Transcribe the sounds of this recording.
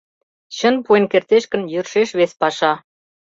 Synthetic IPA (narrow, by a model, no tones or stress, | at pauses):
ɕənpuenkert̪eʃkə̆njørʃeʃβespɑʃɑ